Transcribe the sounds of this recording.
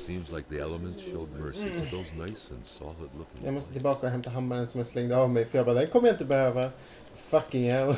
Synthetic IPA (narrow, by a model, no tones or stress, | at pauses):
sĩmzlaɪk̚ðiɛlˠəmə̃ntsʃoʊd̚mɜ˞siðoʊznaɪsə̰̃nsɑ̰lˠədˡlʊkɪ̰̃ŋjɑ̰mɔst̪ət̪ʰɪlbɑːkaʊɦɛmt̪aɦamːaɾənsɔmæslɛŋd̪əavmɛjfœɾjɑɡbɑːd̪ɛnkʰɔməjaɪnt̪əbɛhøːva | fakːɪŋɛl